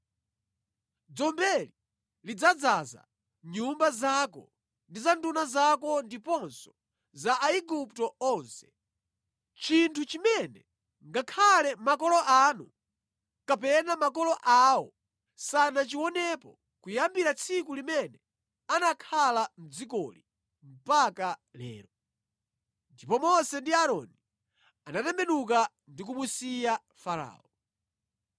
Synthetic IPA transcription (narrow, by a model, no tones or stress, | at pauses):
d͡zɔmbɛli | lid͡zad͡zaza̰ | ɲumbazakɔ̰ | ndizandunazakɔndipɔnsɔ̥ | zaʔaiɡuptɔɔːnsɛ̥ | t͡ʃintʰut͡ʃimɛnɛ | ŋɡakʰalɛmakɔlɔʔaːnu | kapɛnamakɔlɔʔawɔ | sanat͡ʃiwɔnɛpɔ | kujambiɾat͡sʰikulimɛnɛ | anakʰalam̩d͡zik̬ɔlḭ | m̩pakalɛ̰ːɾɔ | ndipɔmɔsɛndiaɾɔni | anatɛmbɛnuk̬a | ndik̬umusija | faɾa̰ːɔ